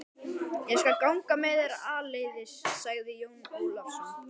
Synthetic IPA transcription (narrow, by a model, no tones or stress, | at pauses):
jɛɣskalkawŋkamɛːðɪɾaleːjðɪsːaɣðɪjoːwnuːlafsɔn